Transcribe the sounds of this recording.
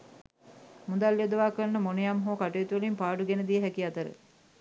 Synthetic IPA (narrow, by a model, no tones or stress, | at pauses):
mud̪alːjod̪əʋaːkəɾnːəmonəjamɦoːkaʈujet̪uʋəlimpaːɖuɡenəd̪ijəɦækiat̪əɾə̰